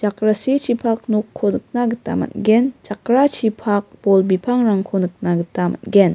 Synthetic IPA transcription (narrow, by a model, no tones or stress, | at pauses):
t͡ʃakɾasit͡ʃʰipʰak̚nokʰːonɯk̚naɡɯta̰ma̰t̚ɡent͡ʃakɾat͡ʃʰipʰak̚b̥ɔlbipʰaŋɾaŋkʰonɯk̚naɡɯtama̰t̚ɡen